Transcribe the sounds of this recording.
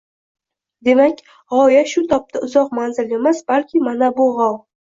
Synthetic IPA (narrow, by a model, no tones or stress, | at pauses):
d̪e̞makʲ | ʁɒjaʃʊt̪ʰɒp̚t̪ʰaʊzɒqmanzɪle̞masbalkʲʰɪmanabʊʁɒw